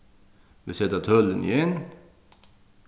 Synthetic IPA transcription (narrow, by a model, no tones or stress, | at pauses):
vɪsɛt̪ət̪ʰœlːənɪ̰jɛn